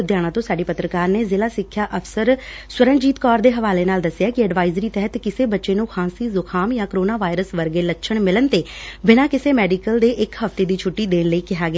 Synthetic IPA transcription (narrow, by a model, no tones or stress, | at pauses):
d̪jaːɽ̃ãːt̪õːsaːɖiːpət̪ɾəkaːɾneːzɪlaːsɪkʰːjaːʔəfsəɾ | swəɾə̃ŋɡd͡ʒiːt̪kɔːɾd̪eːɦəʋaːleːnaːld̪əsːɪjaːkɪɛɖʋaːɪzɾiːt̪ɛɦət̪kɪseːbətːʃeːnũːxʰãːsiːzʊkʰaːmjãːkɾoːnaːʋaːɪɾəsʋəɾɡeːlətːʃʰəɳmɪlənt̪eːbɪnãːkɪseːmɛːɖiːkəld̪eːʔɪkɦəft̪eːd̪iːt͡ʃʰʊʈːiːd̪eːnləiːkɪɦaːɡɪaː